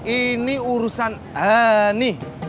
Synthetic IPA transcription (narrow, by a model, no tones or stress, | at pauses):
iniuɾusan | ɦani